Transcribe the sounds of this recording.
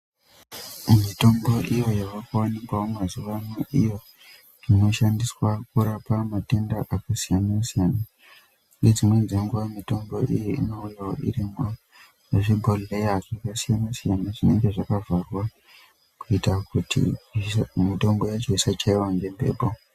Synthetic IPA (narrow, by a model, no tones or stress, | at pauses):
mito̞mbo̞ʔijo̞jaʋakawanikwawomazuʋanweʔijo̞ | ino̞ʃandiswak̚uɾapamate̞ndaʔakasijanasijana | jed͡zimwe̞d͡zeŋɡuʋamito̞mbo̞ʔijiino̞ujawo̰ḭɾima | ʐibʱolːejaʐakasijanasijanaʐine̞ŋɡe̞ʐakavʱarwa | kuitakutḭ | mito̞mbo̞jat͡ʃoisat͡ʃaiwaŋɡembe̞̰ːbʱo